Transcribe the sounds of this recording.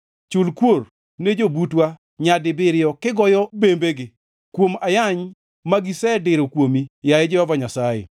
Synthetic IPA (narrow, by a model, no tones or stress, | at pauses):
t͡ʃʊlkwor | ned͡ʒobutwa | ɲadɪbɪɾɪjɔkɪɡɔjɔbembeɡɪ | kwomajaɲ | maɡisɛdɪɾokwomijajɛd͡ʒewavaɲasajḛ